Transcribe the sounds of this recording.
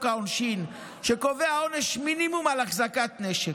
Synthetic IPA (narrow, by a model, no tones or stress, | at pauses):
kaonʃin | ʃeko̞veao̞neʃminimumalaχzakat̪neʃek